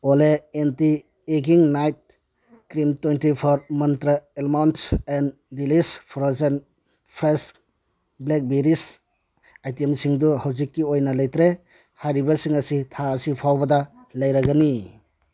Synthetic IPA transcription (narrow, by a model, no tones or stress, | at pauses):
oleenti | eɡiŋnajt̚ | kɾimtwentipʰɔɾmɐntɾɐelmawnten | dilispʰɔɾɔzen | pʰɾes | blek̚beɾis | ajtemsiŋduhawzikːiojnɐlɐjtɾe | hajɾibasiŋɐsitʰaːsipʰawbɐda | lɐjɾaɡani